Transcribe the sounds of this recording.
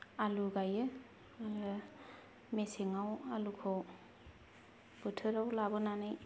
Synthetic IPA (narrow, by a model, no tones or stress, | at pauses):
aluɡajɯ | al | meseŋawalukʰɔw | b̥ɯtʰɯɾawlabɯnanɯj